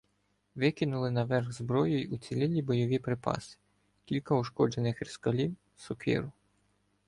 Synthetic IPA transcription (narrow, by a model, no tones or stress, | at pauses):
ʋɪkɪnʊlˠɪnɐʋɛrɣzbɾɔjɔjut̪t͡s̪ʲilʲɪlʲibɔjɔʋʲipɾepɑ̰sɪ̥ | kʲilʲkɐʊʃkɔd͡ʒenɪxɾʲɪskɐlʲiw | sɔkḭɾʊ